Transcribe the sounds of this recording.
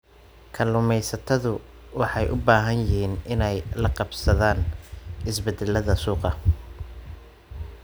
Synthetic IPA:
kʰɐlʊmɛjsɐt̪ʰɐðʊ | wɑħɑjʔʊbaːɦɐnjɪhiːnɪnɛjlɐqɑbsɐðaːnɪsbɛd̪ɛlɐðɐsuːqɑ

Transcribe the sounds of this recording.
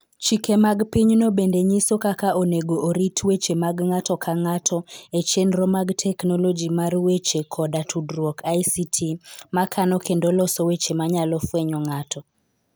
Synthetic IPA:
t͡ʃikemaɡpiɲnobendeɲisokakaʔoneɡoʔːɾitʰwet͡ʃemaɡŋatɔkʰaŋatʰɔet͡ʃenɾɔmaɡtʰɛknɔlɔd͡ʒimarwet͡ʃekʰɔdatʰudɾwɔkʰajsitʰimakʰanɔkendolɔsɔwet͡ʃemaɲalɔfwɛɲɔŋatʰɔ

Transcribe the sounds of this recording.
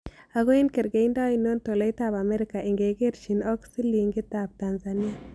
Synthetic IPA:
aɣoinkeɾɡɛindainontolɛjtabamɛɾɪkaʔɪŋɡeɡeɾʃinɔksiliŋɡɪtab̚tanzania

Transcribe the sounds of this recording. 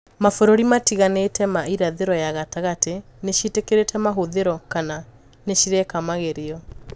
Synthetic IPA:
mafoɾoɾimatiɣanetɛmaiɾaðeɾɔjaɣataɣateneʃitekeɾetʰɛmaɦoðeɾɔkana | neɕiɾɛkamaɣeɾeɔ

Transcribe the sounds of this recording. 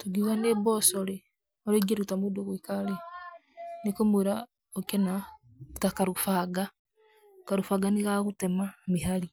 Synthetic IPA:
toɡiɣanebɔsɔɾe | ɔɾeɡeɾutamodoɣoikaɾɛ | nekomweɾa | okɛna | takaɾofaɡa | kaɾofaɡaniɣaɣotɛmameɦaɾi

